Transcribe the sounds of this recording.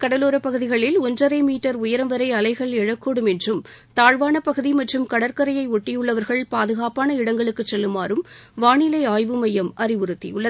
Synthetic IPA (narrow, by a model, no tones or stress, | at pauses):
kɐɽɐloːɾɐpːɐɣɯðɪɣɐɭɪlɔɲd͡ʒɐɾɐɪmiːʈːɐɾʊjɐɾɐmʋɐɾɐɪɐlɐɪɣɐɭɛɻɐkːoɽɯmɛndrɯmt̪aːɻʋaːnɐpːɐɣɯðimɐʈrɯmkɐɽɐɾkɐɾɐjɐɪɔʈːɪjɯɭːɐʋɐɾɣɐɭpaːðɯɣaːpaːnɐɪɽɐŋɡɐɭɯkːɯt͡ʃːɛlːɯmaːɾɯmʋaːɳɪlɐɪaːjʋɯmɐjɐmʔɐrɪʋʊɾɯt̪ːḭjʊɭːɐ